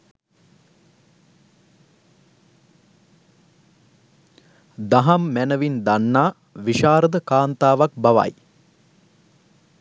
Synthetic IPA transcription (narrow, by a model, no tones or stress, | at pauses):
d̪aɦamːænəʋind̪anːaː | ʋiʃaːɾəd̪əkaːnt̪aːʋak̚baʋa̰j